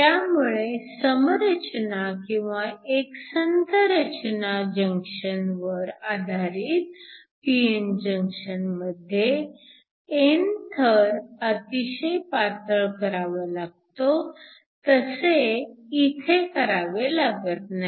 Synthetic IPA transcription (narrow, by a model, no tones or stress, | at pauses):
t̪jamuɭesəmɾət͡ɕnakĩw̃ʋaeksənd̪ʱəɾət͡ɕnad͡ʑəŋkʂənʋəɾad̪ʱaɾiːt̪̚ | piend͡ʑə̃ŋkʂənməd̪ʱːje | ent̪ʰəɾət̪iɕejpat̪əɭkəɾaʋəlaɡ̚t̪o | t̪əseit̪ʰekəɾaʋelaɡət̪̚na